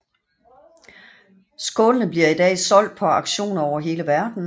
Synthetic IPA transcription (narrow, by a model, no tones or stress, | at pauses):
sɡ̥ɔːlənəb̥liɐid̥ɛ̰ːsɒ̽l̰d̥̚pʰɒ̽ɑ̈ɡ̥ɕo̝̰ːnɒʊɐɦe̝ːləʋæɐd̥n̩